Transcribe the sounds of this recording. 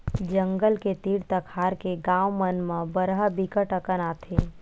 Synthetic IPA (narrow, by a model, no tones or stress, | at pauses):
d͡ʒə̃ŋɡəlket̪iːɽt̪əkʰaːɾkeɡãːwmənmãbəɾɦəbikəʈəkənaːt̪ʰeː